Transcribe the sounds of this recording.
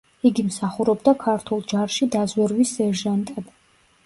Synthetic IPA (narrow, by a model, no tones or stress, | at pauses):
iɡimsaχuɾɔbd̪akʰaɾt̪ʰulˠd͡ʒaɾʃid̪azwɛɾwisɛɾʒant̪ʼad̪